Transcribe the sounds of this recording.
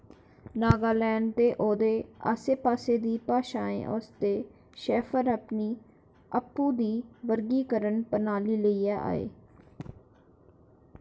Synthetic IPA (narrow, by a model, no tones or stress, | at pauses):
naːɡaːlɛːnt̪eːʔoːd̪eːa̰ːseːpaːseːd̪iːpaːʃaːḛ̃ːʔo̰st̪eː | ʃɛːfʰəɾəpniː | əpːũːd̪iːʋəɾɡiːkəɾənpənaːliːləiːaːʔa̰ːḛː